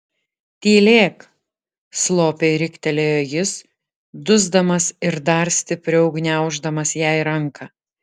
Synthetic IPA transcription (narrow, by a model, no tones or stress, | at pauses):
t̪ʲiːlʲeːk | slˠoːpʲeːɾʲɪkt̪ʲɛlʲeːjoːjɪs | d̪ʊzd̪ɐmɐsɪɾd̪ɐɾsʲt̪ʲɪpʲɾʲʊɒʊɡnʲæˑʊʒd̪ɐmɐsjæˑɪɾɐŋkʰɐ